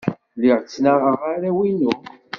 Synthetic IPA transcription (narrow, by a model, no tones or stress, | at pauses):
lɪʁt͡sːnaʁəʁaɾæwinu